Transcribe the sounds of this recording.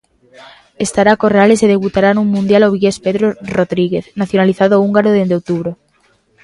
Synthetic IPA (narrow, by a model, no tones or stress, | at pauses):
est̪aɾako̞realeseðe̞βut̪aɾanuŋmũnd̪jaloβ̞iʝespeðɾoroðɾiɣeθnaθjonaliθaðoauŋɡaɾoðend̪eowt̪uβɾo